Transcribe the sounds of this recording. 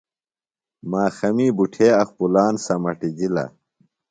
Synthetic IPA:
maːxɐmiːbuʈʰeːɐxpulaːnsɐmɐʈid͡ʑilɐ̰

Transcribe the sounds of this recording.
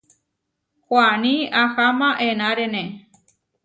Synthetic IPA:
kʷanĩaxamãʔẽnãɾenẽ

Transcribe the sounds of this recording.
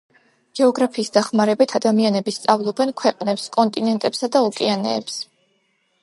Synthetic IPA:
ɡ̥ɛɔɡɾapʰiːsd̪aχmaɾɛbit̪ʰad̪amianɛbist̪sʼavlˠɔbɛnkʰwɛqʼnɛpskʼɔnt̪ʼinɛnt̪ʼɛpsad̪aukʼianɛ̰ːps

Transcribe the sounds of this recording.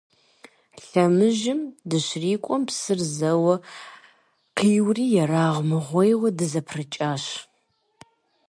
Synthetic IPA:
ɬɐmɨʒɪmdɨɕriːkʷʼɔmpsɨrzɐwɐ | qʰiːwriːjɛɾaːʁʷmɨʁʷejwɐdɨzɐpʰrɨt͡ʃʼaːɕ

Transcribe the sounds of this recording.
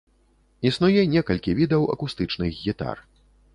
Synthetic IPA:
isnujɛnʲɛkɐlʲkʲivʲid̪ɐwʔɐ̰kust̪ɨt͡ʂnɨɣɣʲit̪a̰r

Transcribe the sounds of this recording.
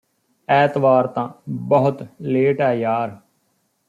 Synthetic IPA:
ɛːt̪ʋaːɾt̪ãːbəɦʊt̪leːʈɛːjaːɾ

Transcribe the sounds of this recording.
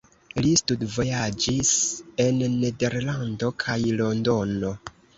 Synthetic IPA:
listudvo̞jad͡ʒise̞nːe̞de̞ɾlando̞kʰajlo̞ndo̞no̞

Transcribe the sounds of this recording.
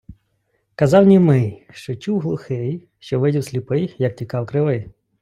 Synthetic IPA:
kɐzɑwnʲimɪjʃt͡ʃɔt͡ʃuwɦlˠʊxɪj | ʃt͡ʃɔʋɪdʲiwsʲlʲipɪjjɐk̚tʲikɑwkɾɪʋɪ

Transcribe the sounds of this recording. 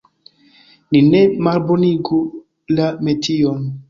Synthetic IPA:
nine̞malboniɡu | lametʰion

